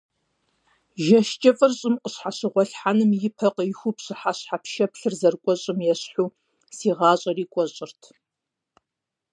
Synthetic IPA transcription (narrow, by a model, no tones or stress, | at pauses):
ʒɐʃt͡ʃʼɐfʼɨrɕʼɪmqʼəɕħaɕɪʁʷɔɬħanɨmjɪpʰɐqəjxʷupɕɨħaɕħapʰʃɐpɬɨrzɐrkʷʼɔɕʼɪmjɛɕħuː | siːʁɑːɕʼɐriːkʷʼɔɕʼɪrtʰ